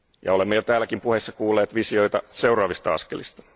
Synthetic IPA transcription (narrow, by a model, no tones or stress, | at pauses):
jɑolemːejot̪æːlækimpuhesːɑkuːlːeːt̪ʋisiojt̪ɑse̞uwrɑːʋist̪ɑɑ̰skelist̪ɑ̥